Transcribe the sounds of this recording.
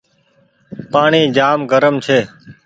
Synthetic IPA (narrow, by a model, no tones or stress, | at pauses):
paːɳiːd͡ʒaːmɡəɾəmt͡ʃʰeː